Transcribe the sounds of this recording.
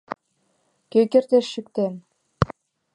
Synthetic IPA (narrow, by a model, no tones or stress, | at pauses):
køkert̪eʃːyk̚t̪en